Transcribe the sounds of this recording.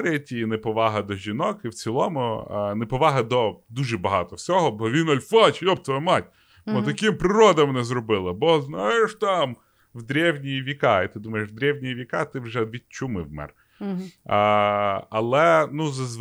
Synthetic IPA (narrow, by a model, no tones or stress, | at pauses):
ɾʲɪjɐtʲinepɔʋɑɦɐd̪ɔʒʲinɔkɪwt͡sʲilˠɔmʊnepɔʋɑɦɐd̪ɔd̪uʒɛbɐɦɑt̪ɔwsʲɔɦɔbɔʋʲinɐlʲfɑt͡ʃjɔb̚t̪ɔbɛmɑtʲ | bɔt̪ɐkʲimpɾɪɾɔd̪ɐmnɛzrɔbɪlˠɪbɔznajeʃt̪ɑm | wd̪ɾʲɛwnʲijiʋʲikɑit̪ɪd̪umɐjeʃd̪ɾʲɛwnʲijiʋʲikɑt̪ɪwʒɛʋʲid̪̚ʲt͡ʃumɪwmɛ̰r | ɐ̰lˠɛnuzɐz